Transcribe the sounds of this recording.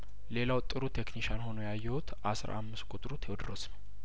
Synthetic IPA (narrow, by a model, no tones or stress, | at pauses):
le̞lawt̪ʼːɨɾut̪ʰe̞kniʃanho̞nojajːɛhut̪ʰʔasɾ̰ʔa̰mːɨskʼʊt̪ʼɾut̪ʰewd̪ɾosnəw